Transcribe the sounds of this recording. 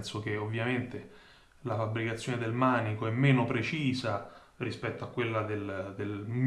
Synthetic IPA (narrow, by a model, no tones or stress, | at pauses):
nsok̟eovːjament̪e | lafabːɾikat̪sːjoːned̪elmaːnikoɛmːeːnopɾet͡ʃiːza | rispɛt̪ːoakːwelːad̪eld̪elm